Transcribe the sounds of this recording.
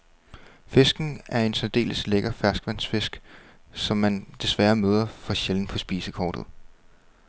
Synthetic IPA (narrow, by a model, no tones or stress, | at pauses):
fe̝sɡ̥n̩æɐe̝nsɒd̥e̝̰ːləsleɡ̥ɐfæɐsɡ̥ʋæn̰sfe̝sɡ̥ | sɒ̽mːænd̥e̝sʋæːɐmøːð̞ˠɐfɒ̽ɕeln̩pʰɒ̽sb̥ḭːsəkʰɒ̰ːd̥ð̞̩ˠ